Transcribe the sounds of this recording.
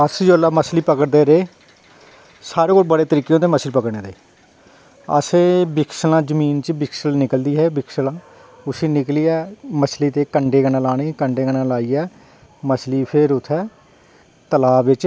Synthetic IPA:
əsd͡ʒolːaːməsliːpəkəɽd̪eːɾeː | saːɾeːkoːlbəɽeːt̪əɾiːkːejõːt̪eːməsliːpəkəɽnẽːd̪eː | ə̰sẽːbɪkʰsəlãːzəmiːnt͡ʃbɪksəlnɪkəld̪iːɦɛːbɪksəlãː | ʊsiːnɪkliːɛːməsliːt̪eːkəɳɖeːɡənãːlaːɽ̃iːkəɳɖeːɡənãːlaːiːɛː | məsliːpʰɪɾʊt̪ʰːɛː | t̪əlaːbʋɪt͡ʃ

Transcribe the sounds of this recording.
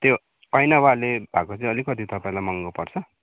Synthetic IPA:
t̪jo | ʌjnawalebʱakot͡sʌĩʌlikːʌt̪it̪ʌpaĩlajmʌŋɡopʌrt͡sʰʌ

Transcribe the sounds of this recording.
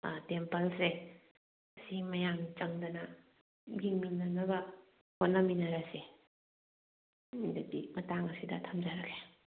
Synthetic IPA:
tempɐlse | simɐjamt͡ʃɐŋdɐnɐ | ɡiŋmiŋnanɐbɐ | hot̚nɐminɐɾase | dadimɐtaŋɐsidɐ̰tʰɐmd͡ʒaɾaɡe̥

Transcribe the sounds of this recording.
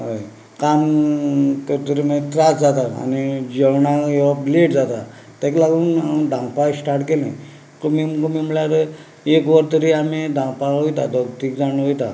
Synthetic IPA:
ɦoj | kam | t̪əɾt̪əɾimət̪ɾasd͡zat̪aa̰nid͡ʑəwɳajeʋapleʈd͡zat̪a | t̪aklaɡund̪ʱãŋpajsʈaɾʈkelḛ̃ | kəmimkəmiməɭjaɾə | ekʋəɾt̪əɾiamid̪ʱãpaɦojt̪ad̪ʱəɡt̪ikd͡zanɦojt̪a̰

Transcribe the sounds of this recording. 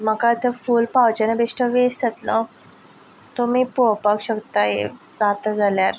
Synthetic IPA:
m̤əkat̪əfuːlpawt͡ɕanəbeʂʈəʋest͡sət̪lɔ | t̪ɔmipopakɕəkt̪ajḛ | d͡zat̪əd͡zaljaɾ

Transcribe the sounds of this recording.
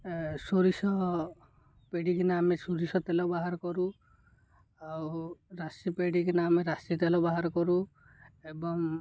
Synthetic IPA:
soɾisɔ | peɽikinaamesuɾisɔt̪elɔbaɦaɾɔkɔɾu | awɾasipeɽikinaːmeɾasit̪elɔbaɦaɾɔkɔɾu | ebɔŋ

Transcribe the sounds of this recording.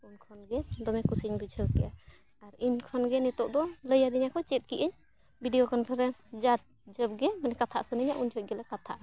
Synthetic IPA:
unkʰɔnɡɛd̪ɔmɛkusiɲbid͡ʒʱəwkɛʔa | aɾinkʰɔnɡɛnɛt̪ɔʔd̪ɔləjad̪ɛɲakɔt͡ʃɛt̪̚kiʔəɲ | bʱiɖijɔkɔnpʰaɾɛnsd͡ʒat̪̚d͡ʒəb̚ɡɛmanɛkat̪ʰa̰ʔsunəɲaʔund͡ʒɔt̪̚ɡɛlɛkat̪ʰa̰ʔa

